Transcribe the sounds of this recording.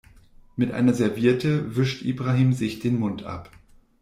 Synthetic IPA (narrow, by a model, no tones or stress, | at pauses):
mɪtʔa̰ɪnɐzɛɐviːɐtəvɪʃtʔḭːbʁahiːmzɪçd̥eːnmʊntʰʔa̰p